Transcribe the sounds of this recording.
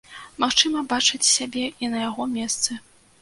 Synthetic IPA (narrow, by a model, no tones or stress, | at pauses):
maxt͡ʂɨmɐbat͡ʂɨt͡sʲsʲabʲɛinɐjaɣɔmʲɛst̪sɨ